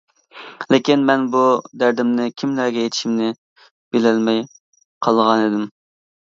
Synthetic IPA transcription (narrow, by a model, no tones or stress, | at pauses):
lɪkʲinmɛnbud̪æɾd̪ɪmnɪkʲʰimlæɾɡʲɛjet̪ʰʃimnɪ | b̥ɪlɛlmɛj | qʰɑlˠʁɑnid̪ɪm